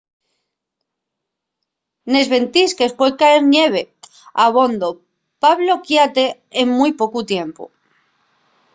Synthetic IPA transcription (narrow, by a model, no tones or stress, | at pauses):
ne̞zβe̞nt̪iskespwekaeɾnje̞β̞e | aβ̞o̞nd̪o | paβlokjat̪e | eŋmujpokut̪je̞mpṵ